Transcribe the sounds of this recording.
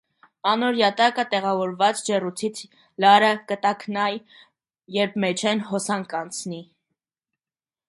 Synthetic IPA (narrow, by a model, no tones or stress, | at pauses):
ɑnɔɾjɑt̪ɑkət̪ɛʁɑvɔɾvɑt͡sd͡ʒɛrut͡sʰit͡sʰ | lɑɾəkət̪ɑkʰnɑj | jɛɾp̚ʰmɛt͡ʃʰɛnɦɔsɑŋkɑnt͡sʰni